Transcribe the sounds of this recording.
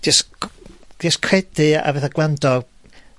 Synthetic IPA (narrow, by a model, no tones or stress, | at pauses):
d̥is | d̥ɛskʰrɛdɨa̰vɛθaɡlˠandɔ